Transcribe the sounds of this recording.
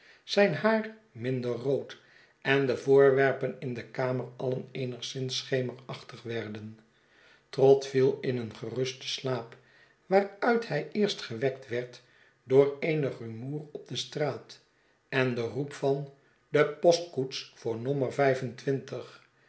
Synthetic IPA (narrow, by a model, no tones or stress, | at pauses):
z̥ɛjnɦaːr | mɪndərrowt | ʔɛndəvʊːɹʋɛɹpənɪndəkaːmərɑlənejnəχsɪnsχejməɹɑχtəχʋɛɹdən | trɔtfilˠɪnənχərɵstə̥slaːp | ʋaːɹœɥthɛjɪːɹstχəʋɛk̚tʋɛɹt | doːɹejnəχrymuːrɔb̚dəstraːt | ɛndərupfɑn | dəpɔst̚kutsfʊːɹnɔməɹvɛjfəntʋɪntəχ